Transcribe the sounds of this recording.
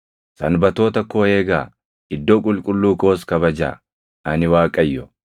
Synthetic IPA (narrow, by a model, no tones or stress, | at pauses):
sɐnbɐt̪o̞ːt̪ɐkːoːeːɡa̰ː | ɪd̪ːoːkʼʊlkʼʊlːuːko̞ːskɐβɐd͡ʒa̰ː | ʔɐnɪwaːkʼɐjːɔ